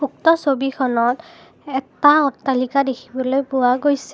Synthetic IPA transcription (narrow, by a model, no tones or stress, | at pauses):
uk̚tɔsobikʰɔnɔt | ɛtaɔtːalikadekʰibɔlojpʊwaɡojsɛ